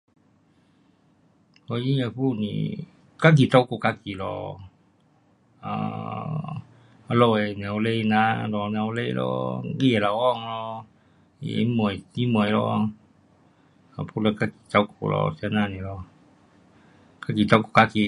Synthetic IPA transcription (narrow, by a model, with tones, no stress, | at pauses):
hɔ˧i˦a˧˨pu˦nḭ˨ | ka˦k̬i˨t̪ɔ˦ko˨ka˧ki˨lɔ̰˧˨ | a̰˧ | lɔ˧˨e˨nɛ˨wle˧na˧lɔ˨nɛ˧˨wle˦˧lɔ̰˧i˦e˨la˨wɔ˦˨ŋlɔ˧ | ḭ˧ḛ˨i˦mu˨i˦mu˨ə˨jlɔ˧˦ | a˨pʰu˦la˧ka˧ki̥˨t̪a˧ko̰˧˨lɔ̰˧sa˧na˧˨ni˨lɔ˧ | ka˦ki˨t̪a˧ko˨ka˧ki˨